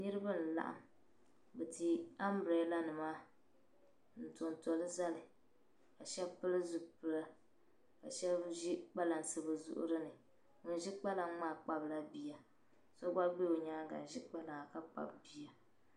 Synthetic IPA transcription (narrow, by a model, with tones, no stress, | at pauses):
nɨ˦ɾɨ˦ba˦n̩˨la̰˨ʔa̰˨m | bɛ˨ti˨a˦mbɾɛ˨˦la˦nɨ˨maː˦ | n̩˨to˨ntɔ˨lɨ˦za˦lɨ˨ | ka˨ʃɛ˦bpɨ˦lɨ˦zʊ˨ɡpɨ˨la˦ | ka˨ʃɛ˦ʒi˦k͡pa˦la˨n˨sɨ˦bɨ˨zʊ̰˦ʔʊ̰˦ɾɨ˦nɨ˨ | ŋʊ˨n˦ʒi˦k͡pa˦la˨ŋ˦maː˦˨k͡pa˦bla˦bi˦ja˨ | sɔ˦ɡ͡ba˦ɡ͡be˦o˨ɲaː˦ɡa̰˨n˨ʒi˦k͡pa˦la˨a˨ka˦k͡pa̰˨bbi˦ja˨